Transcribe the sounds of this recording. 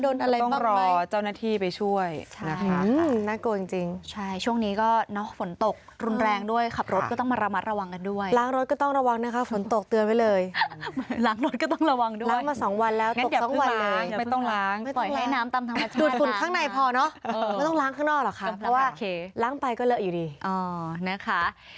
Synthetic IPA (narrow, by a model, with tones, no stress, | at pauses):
doː˧nʔa˧ɾa˧j̪ɔ˥˩ɾɔː˧t͡ɕa˥˩wnaː˥˩t̪ʰiː˥˩pa˧jt͡ɕʰu˥˩əjt͡ɕʰna˦˥ɯ˧naː˥˩koː˧t͡ɕi˧˩ŋt͡ɕi˧ŋt͡ɕʰa˥˩jt͡ɕʰu˥˩əŋniː˦˥kɔː˥˩nɔ˦˥fo˩˦nt̪o˨˩k̚ | ɾu˧nɾɛː˧ŋdu˥˩əjkʰa˨˩p̚ɾo˦˥t̪̚kɔː˥˩t̪ɔ˥˩maː˧ɾa˧ma˦˥t̪̚ɾa˧wa˧ŋka˧ndu˥˩əjlaː˦˥ŋɾo˦˥t̪̚kɔː˥˩t̪ɔ˥˩ŋɾa˧wa˧ŋna˦˥˩kʰa˦˥fo˨˩˦nt̪o˨˩k̚t̪ɯ˧ənma˦˥jlɤː˧j | laː˦˥ŋɾo˦˥t̪̚kɔ˥t̪ɔ˥˩ŋɾa˧wa˧ŋdu˥laː˦˨˥jŋmaː˧sɔː˩˦ŋwa˧nlɛː˦˥wto˨˩˨sɔ˩˦ŋ˥wa˧nːlɤː˧˦ŋjm˥˩˥t̪ɔ˥˩ŋlaː˦˥ŋma˥˩jpɔ˨˩jŋa˦˥˦jnaː˦˥mt̪a˧mt̪ʰa˦a˧˩du˨˩fu˨˩nkʰaː˥˩ŋna˧jpʰɔː˧nɔ˦˥ʔaaa˥˩t̪ɔ˥˩˧laː˦˥ŋkʰaː˥˩ŋnɔː˥˩k̚lɔ˨˩kʰa˦˧pːwaː˥˩˧laː˦˥ŋpa˧jkɔː˥˩lɤ˦˥ʔjuː˨˩diː˧ʔɔː˧˩na˦˥kʰa˦˥ʔ